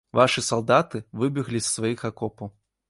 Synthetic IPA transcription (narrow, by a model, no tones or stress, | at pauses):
vaʂɨsalˠd̪at̪ɨvɨbʲiɣlʲisːvajixakɔpɐw